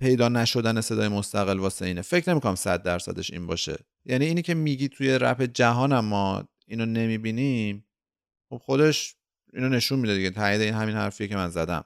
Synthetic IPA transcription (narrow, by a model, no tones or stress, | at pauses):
pʰe̞jd̪ɒːnæʃo̞d̪æne̞se̞d̪ɒːje̞most̪æɣelvɒːseiːnefe̞cʰne̞mikʰonæmsæ̰d̪̚ːæɾsæ̰d̪e̞̰ʃḭːnbɒ̰ːʃe̞̰ | jæniːniːcʰe̞miɟit̪ʰujeɾæ̰fe̞d͡ʒæɦɒːnæmːɒ | inɒne̞miːbinim | xo̞b̥xo̞d̪eʃ | ḭːnone̞ʃunmid̪eiɟet̪ʰæiːd̪e̞inhæminhæ̰ɾfijecemænzæd̪æ̰m